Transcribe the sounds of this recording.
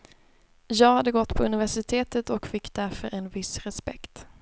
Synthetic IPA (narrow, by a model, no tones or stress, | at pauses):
jɑːɡhad̪ːəɡɔt̪ːpʰɔɵnɪvæʂɪt̪ʰeːt̪ət̪ɔkfɪkːd̪æɾfœɾɛnvɪsɾɛspɛ̰kt̪